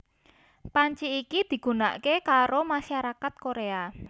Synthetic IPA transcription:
paɲt͡ʃiːkid̪̥i̤ɡ̥ṳna̰ʔkekaɾomaʃaɾakat̪̚koɾea

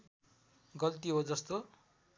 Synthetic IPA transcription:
ɡʌlt̪iɦod͡zʌst̪o

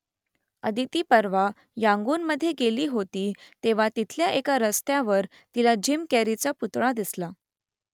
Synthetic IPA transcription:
ə̰d̪ʱit̪iːpəɾʋa | jãŋɡuːnməd̪ʱːjeɡeliːɦot̪iːt̪eʋ̤at̪it̪ʰljaʔekaɾəst̪jaʋəɾ | t̪ilad͡ʑimkɛɾit͡saput̪ɽad̪isla

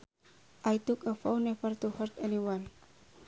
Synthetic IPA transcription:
ʔajt̪ukəfawnɛfərt̪uhərt̪ɛniwan

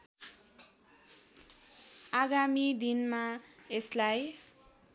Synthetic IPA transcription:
aɡamid̪inmaeslaj

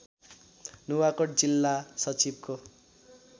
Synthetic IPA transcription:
nuwakod͡zilːasʌt͡sibko

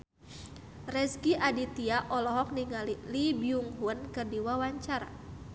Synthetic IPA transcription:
rɛsɡiʔadit̪iaʔɔlɔɦɔk̚niŋalilibiuŋɦunkɨrdiwawaɲt͡ʃaɾa̰

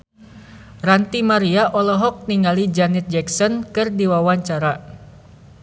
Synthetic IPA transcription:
rant̪imaɾiaʔɔlɔɦɔk̚niŋalid͡ʒanɛt̪̚d͡ʒɛksɔnkɨrdiwawaɲt͡ʃaɾa

